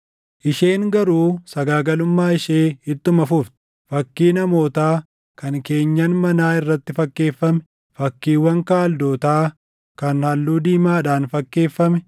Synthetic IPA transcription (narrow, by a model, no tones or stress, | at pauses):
ʔɪʃeːŋɡɐɾuːsɐɡaːɡɐlʊmːaːɪʃeːhɪt̪ːʊmɐfʊft̪ɪ̥ | fɐkːiːnɐmo̞ːt̪aː | kɐŋke̞ːɲːɐnmɐnaːɪrːɐt̪ːɪfɐkːe̞ːfːɐmɛ̥ | fɐkːiːwːɐŋkaːld̪oːt̪aː | kɐnhɐlːuːd̪iːmaːᶑaːnfɐkːe̞ːfːɐmɛ